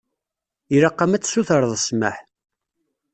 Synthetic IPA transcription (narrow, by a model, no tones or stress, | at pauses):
iɾaqːamæt͡sːsuθəɾðˤəsmə̰ħ